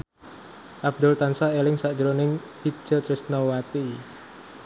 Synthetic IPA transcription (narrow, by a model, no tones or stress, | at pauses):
ʔabd̪ʊlt̪ansaelɪŋsaʔd̥ʒəɾonɪŋpi̥ʒ̥ət̪ɾɪsnawat̪i